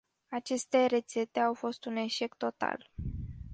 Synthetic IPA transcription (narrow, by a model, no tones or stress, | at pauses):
at͡ʃe̞st̪e̞ɾe̞t̪se̞t̪e̞awfo̞st̪une̞ʃe̞kt̪o̞t̪a̰l